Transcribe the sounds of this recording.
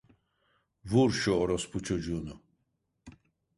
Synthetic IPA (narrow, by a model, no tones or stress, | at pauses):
vuɾʃɔɔɾɔspʰut͡ʃʰɔd͡ʒunu